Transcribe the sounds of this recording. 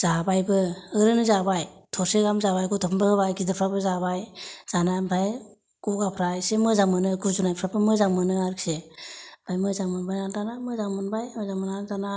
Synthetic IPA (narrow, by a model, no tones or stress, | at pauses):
z̥abajbɯɯɾɯnɯzabajtʰɔseɡamzabajkutʰɔpʰmbɯɯbajkidɯpʰɾapɯzabajz̥anambʰʱaj | kuɡapʰɾajsemɯzaŋmɯnɯkuzunajpʰɾapʰɯmɯzaŋmɯnɯaɾkseb̥ʰʱajmɯzaŋmɯnbajnantanamɯzaŋmɯnbajmɯzaŋmɯnanzana